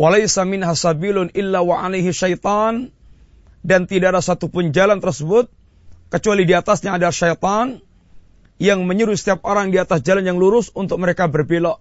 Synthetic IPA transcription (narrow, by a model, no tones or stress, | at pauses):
walajsamɪnɦasabilʊnʔɪlːawaʕalajɦiʃajt̪ɑn | dant̪idaʔːdasat̪upʊnd͡ʒalant̪ərsəbʊt̪̚ | kət͡ʃualidiat̪asɲaːdaʃajt̪ɑn | jaŋməɲuɾusə̥t̪iap̚oɾaŋdiat̪asd͡ʒalanjaŋluɾʊsunt̪ʊk̚məɾekabərbelɔ